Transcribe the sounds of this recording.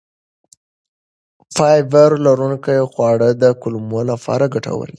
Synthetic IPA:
fɑjbaɾlaɾuŋkajxwɑɽəd̪əkʊlmolapʰɑ̰ɾaɡaʈa̰wə̰ɾi

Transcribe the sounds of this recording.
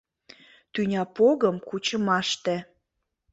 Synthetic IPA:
t̪ynʲɑpoɣəmkut͡ɕəmɑʃt̪ĕ

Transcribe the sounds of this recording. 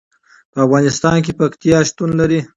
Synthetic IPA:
pəafɣɑnɪst̪ɑnk̬epakt̪ijɑʃt̪unlaɾi

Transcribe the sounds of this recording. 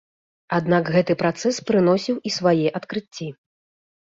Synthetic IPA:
ad̪nakɣɛt̪ɨpɾat̪sɛspɾɨnɔsʲiwisvajɛʔɐt̪kɾɨt͡sʲːi

